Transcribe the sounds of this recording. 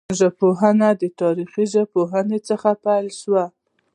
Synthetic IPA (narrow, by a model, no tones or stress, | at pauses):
ʒapoɦanad̪ət̪ɑɾixiʒapoɦənet͡səxapajlʃwa